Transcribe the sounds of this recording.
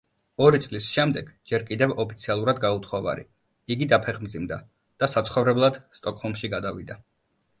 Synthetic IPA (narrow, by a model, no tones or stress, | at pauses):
ɔɾit̪sʼlisʃɛmd̪ɛɡ̥d͡ʒɛɾkʼid̪ɛvɔpʰit̪sʰialˠuɾad̪ɡaut̪ʰχɔva̰ɾḭ | iɡid̪apʰɛχmd̪zimd̪a̰ | d̪̥asat̪sʰχɔvɾɛblˠad̪̥st̪ʼɔkʼhɔlˠmʃiɡad̪avḭd̪a